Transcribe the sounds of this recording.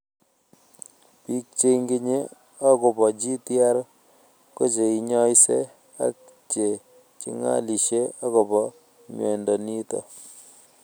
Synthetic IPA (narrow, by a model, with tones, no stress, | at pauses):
pi˦k̚t͡ʃe˦ŋɡi˦ɲe˦ | a˦ko˨pɔ˨d͡ʒi˦tja˦ɾ | ko˦t͡ʃe˨i˨ɲɔ˦jse˦ | a̰˦k̚ | t͡ʃe˨ | t͡ʃḭ˦ŋa̰˦li˨ʃe˦a˦ko˨bɔ˨ | ɲwɛ˨ndɔ˨ni˦tɔ̰˨